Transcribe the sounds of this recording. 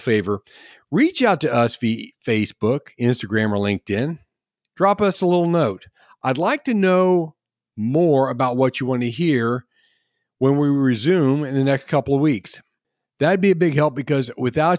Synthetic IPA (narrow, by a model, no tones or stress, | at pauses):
feɪvə˞ | ɹit͡ʃaʊtɨʌsfifeɪsb̥ʊkɪ̃nstɨɡɹæ̃mə˞lɪ̃ŋk̚tɪ̃n | dɹɑpʌsəlɪɾl̩ˠnoʊt̚ | ʔaɪdˡlaɪk̚tɨnoʊ | mɔɹɨbaʊt̚wʌt͡ʃɨwɑ̃nɨɦiɹ | wə̃nwiɹɨzʉ̃mɨ̃nðɨnɛkskʰʌpl̩ˠʌvwiks | ðɨbiɨbɪɡɦɛlˠp̚b̥ɨkʌzwɨθaʊ